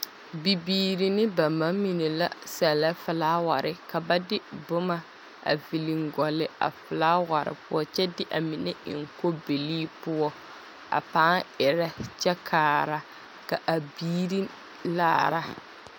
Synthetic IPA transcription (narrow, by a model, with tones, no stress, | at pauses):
bi˨biː˨ɾi˨nɪ˦ba˨ma˦mːi˨ne˨la˦sɛ˨la˦fɪ˨laː˦wa˨ɾʔɪ˨ka˨ba˦dɪ˦bʊ˦ma˦ | a̰˨vi˨li˨ŋɡɔ˨lɪ˦a̰˨fɪ˨laː˦wa˨ɾɪ̰˨pʊ˦ɔ˦t͡ʃɛ˦dɪ˦ʔa˨mi˨ne˦ɪ̰˨ŋ˨ko˦be˨liː˦pʊ˦ɔ˦ | a̰˨paː˦ŋɪ˨ɾa˦t͡ʃɛ˦kʰaː˨ɾa˦ | ka˨ʔa˨biː˦ɾi˦ | la̰ː˦˨ɾa˦